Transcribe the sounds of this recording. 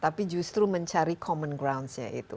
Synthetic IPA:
t̪apid͡ʒust̪ɾuməɲt͡ʃaɾikʰɔmənɡɾawnsɲa̰ʔḭt̪ṵ

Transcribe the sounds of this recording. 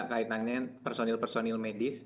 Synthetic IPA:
ʔkait̪anɲapɛrsonilpɛrsonilmedis

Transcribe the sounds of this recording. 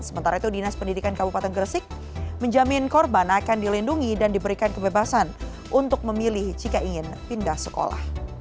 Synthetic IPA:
səmənt̪aɾait̪udinaspəndidikankabupat̪ɛnɡərsɪk̚ | məɲd͡ʒamɪnkɔrbanakandilinduŋidandibəɾikankəbebasan | ʔunt̪ʊk̚məmilɪhd͡ʒikaʔiŋɪn | pindahsəko̰la̰h

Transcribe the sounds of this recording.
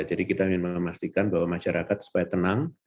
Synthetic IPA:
d͡ʒadikit̪amɪnməmast̪ikanbawamaʃaɾakat̪su̥pajat̪ənaŋ

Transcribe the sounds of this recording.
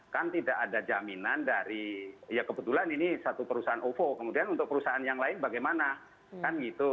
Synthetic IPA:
kant̪idakadad͡ʒaminandaɾijakəbət̪ulaninisat̪upəɾusaanʔofokəmudianunt̪ʊk̚pəɾusaʔanjaŋlaɪnbaɡajmana | kanɡit̪u

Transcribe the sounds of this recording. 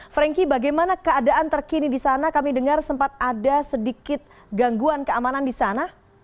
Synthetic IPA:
fɾɛŋkibaɡajmanakəadaʔant̪ərkinidisanakamidəŋarsəmpat̪̚adasədikɪt̪̚ | ɡaŋɡuankəamanandisana

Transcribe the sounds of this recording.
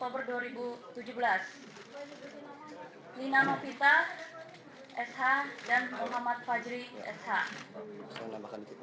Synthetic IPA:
k̚t̪obərduaɾibut̪ud͡ʒubəlas | linamapit̪ah | ʔɛshadanmuɦamat̪̚fad͡ʒɾiɛ̰sha

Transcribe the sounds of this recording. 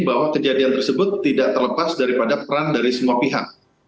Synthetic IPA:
bawakəd͡ʒadiant̪ərsəbʊt̪ːidaʔt̪ərləpasdaɾipadapəɾandaɾisəmuapiɦa̰k̚

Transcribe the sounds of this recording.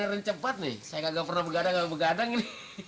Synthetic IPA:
ɛɾəɲt͡ʃəpat̪̚nɪ̰hsajakaɡapərnahbəɡadaŋalbəɡadaŋinɪ

